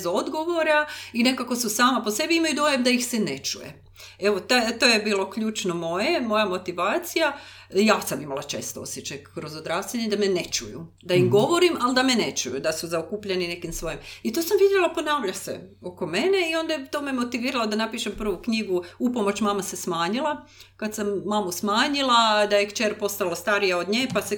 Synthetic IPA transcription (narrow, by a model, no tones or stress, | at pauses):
zo̞d̪ɡo̞ʋo̞ɾaine̞kako̞susaːmapose̞biimajud̪o̞jamd̪aixsene̞t͡ʃṵjḛ | eʋot̪at̪oːjebiːlˠo̞kʎuːt͡ʃnomo̞jemo̞jamo̞t̪iʋaːt̪sija | jaːsamimalat͡ʃe̞ːst̪oo̞̰sjet͡ʃajkɾo̞zod̪ɾaːseɲed̪amene̞t͡ʃṵjṵ | d̪aimɡo̞ʋo̞ɾimald̪amenet͡ʃujṵd̪asuzaokupʎenine̞kimsʋo̞jimit̪oːsamʋid̪jelˠapo̞naːʋʎasḛo̞ko̞me̞ne̞io̞nd̪at̪oːmemo̞t̪iʋiːɾalod̪anapiːʃempr̩ʋukɲiɡuupomo̞t͡ɕmaːmasesmaːɲilˠa | kad̪samːaːmusmaːɲilˠad̪ajekt͡ʃeɾpo̞st̪alˠast̪aɾijaod̪ɲeːpase